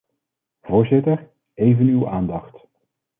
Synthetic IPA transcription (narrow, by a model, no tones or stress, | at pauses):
v̥ʊːɹzɪtəɹ | ejvənywaːndɑχt